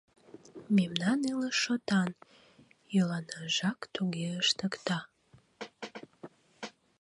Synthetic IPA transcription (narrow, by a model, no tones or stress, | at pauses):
memnɑniləʃot̪ɑn | jølɑnɑʒɑkt̪uɣeəʃt̪əkt̪ɑ